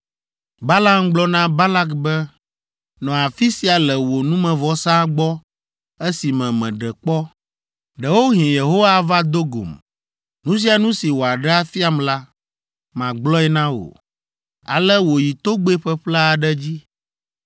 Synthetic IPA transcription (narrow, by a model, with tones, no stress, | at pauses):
ba˦la˦mɡ͡blɔ˦nã˦ba˦la˦kbɛ˦ | nɔ̃˨a˨fi˦si˨a˨lɛ˨wo˨nũ˦mɛ̃˨vɔ˦sã˦ɡ͡bɔ˦ | ɛ˦si˨mɛ̃˨mɛ̃˨ɖɛ˨k͡pɔ˦ | ɖɛ˨wo˦ɦĩ˨je˨ɦo˦wa˦va˦d̪o˦ɡo̰˨m | nũ˦s̬i˦a˨nũ˦si˨wo˨a˨ɖɛ˦a˦fi˦a˦mla˦ | mã˨ɡ͡blɔ˦ɛ˦nã˦wo̰˨ | a̰˨lɛ˦wo˨ji˨t̪o˦ɡ͡be˦ɸɛ˦ɸlɛ˦a˨ɖɛ˦d͡ʑi˦